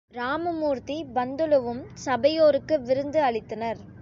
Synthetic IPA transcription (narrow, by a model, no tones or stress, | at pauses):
ɾaːmɐmuːɾt̪ibɐnd̪ɯlɯʋɯmsɐbɐjoːɾɯkːɯʋɪɾɯnd̪ɯɐɭɪt̪ːɐnɐɾ